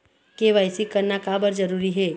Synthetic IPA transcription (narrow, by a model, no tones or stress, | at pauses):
keʋajsikəɾnakabəɾd͡ʒəɾuːɾiɦeː